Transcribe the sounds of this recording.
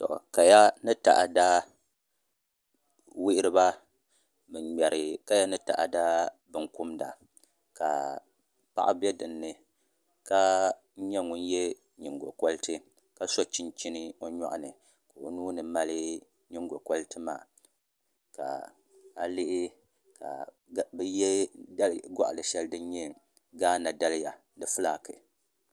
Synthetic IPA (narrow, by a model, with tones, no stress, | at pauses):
tɔ̰˨ʔka˨ja˦nɨ˦ta̰˨ʔa˨da˦ | wi˦ʔɪ˦ɾɨ˦ba˦ | bɨ˨ɲɛ˨ɾɨ˨ka˦ja˦nɨ˦ta̰˨ʔa˨da˦bɨ˨ŋkʊ˦mda̰˨ | ka̰˨ | pa̰˦ʔa̰˦bɛ˦dɨ˨nːɨ˨ | ka˦ | ɲɛ˦ŋʊ˦n˦jɛ˦ | ɲi˨ŋɡo˨kɔ˦ltɨ˦ | ka˦so˦t͡ʃi˦nt͡ʃi˦nɨ˦o˦ɲɔ˦ʔʊ˦˨nɨ˨ | ko˨˦nuː˦nɨ˨ma˦lɨ˦ | ɲɪ˦ŋɡo˨kɔ˦ltɨ˦ma̰ː˨ | ka̰˨ | a˦lɪ˦ʔɪ˦ | ka̰˨ | bjɛ˦dlɡɔ̰˦ʔa˨lɨ˨ʃɛ˦lɨ˦dɨ˦n˦ɲɛ˦ | ɡaː˦na˨da˦lja˨ | dɨ˨fɨ˦laː˦˨kɨ˨